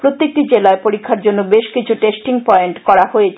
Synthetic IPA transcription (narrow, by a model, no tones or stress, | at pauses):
pɾot̪ːek̚ʈid͡ʑelaepoɾikʰːaɾd͡ʑonːobeʃkit͡ɕʰuʈesʈiŋpɔeɳʈkɔɾahojet͡ɕʰ